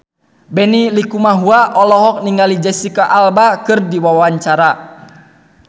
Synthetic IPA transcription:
bɛnilikumaɦuaʔɔlɔɦɔk̚niŋalid͡ʒɛsikaʔalbakɨrdiwawaɲt͡ʃaɾa

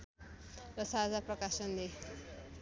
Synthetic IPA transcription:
rʌsad͡zaprʌkasʌnle

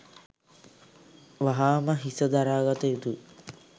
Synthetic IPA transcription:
ʋaɦaːməɦisəd̪aɾaːɡat̪əjut̪u

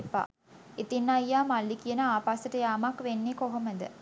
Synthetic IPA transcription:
pːa̰ː | et̪inːajːaːmalːikijənəaːpasəʈəjamakʋenːikoɦoməd̪ə̰

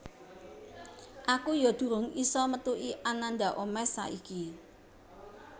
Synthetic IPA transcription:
ʔakujɔd̪̥ṳɾʊŋisɔmət̪uʔiʔananɖ̪a̤ʔomɛsa̰ʔiki

